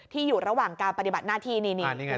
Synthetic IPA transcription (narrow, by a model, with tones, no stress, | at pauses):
t̪ʰiː˥˩juː˨˩ɾa˧˦waː˨˩ŋkaː˧npa˧t̪i˨˩ba˨˩t̪̚naː˥˩t̪ʰiː˥˩niː˧ni˧ni˦˧